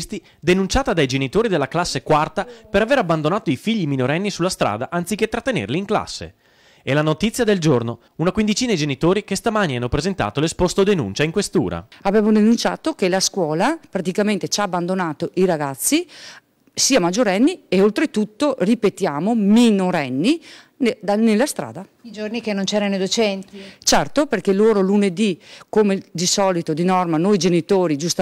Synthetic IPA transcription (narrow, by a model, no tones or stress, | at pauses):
st̪i | d̪enunt͡ʃaːt̪ad̪ajd͡ʒenit̪oːɾid̪elːaklasːekwart̪apeɾaveɾabːand̪onaːt̪oifiʎːiminoɾɛnːisulːast̪ɾa̰ːd̪aʔant̪siket̪ːɾat̪ːenḛrliːŋkla̰sːḛ | ɛlanot̪it̪sːjad̪eld͡ʒorno | unakwind̪it͡ʃiːnad̪id͡ʒenit̪oːɾikest̪amanianːopɾezent̪a̰ːt̪olespost̪od̪enṵnt͡ʃaiŋkwest̪ṵːɾa̰abeːmod̪enunt͡ʃa̰ːt̪okelaskwɔːlapɾat̪̬ikament̪et͡ʃaːbːand̪onaːt̪oʔiɾaɡat̪sːi | siːamad͡ʒːoɾɛnːieolt̪ɾet̪ut̪ːoripet̪jaːmominoɾɛnːi | nelːast̪ɾa̰ːd̪a | id͡ʒornikenːont͡ʃɛːɾanod̪ot͡ʃɛnt̪it͡ʃɛrt̪operkeloːɾoluned̪ikomed̪isɔːlit̪od̪inɔrmanojd͡ʒenit̪oːɾid͡ʒust̪a